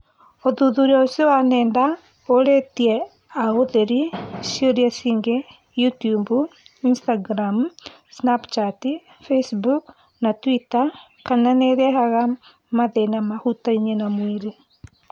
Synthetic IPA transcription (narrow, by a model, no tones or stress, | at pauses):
oðuðuɾiaosowanɛːnda | oɾetiɛ | aɣoðeɾisioɾiasiːŋɡe | jutijumbuinstaɡɾam | snapt͡ʃati | fesbuk | natwita | kananeɾeɦaɣa | maðenamahutaiɲenamwiɾe